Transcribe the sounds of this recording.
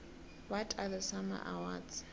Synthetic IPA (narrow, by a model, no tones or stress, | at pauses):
wɔtʰaðəsama̰ʔawa̰dz̥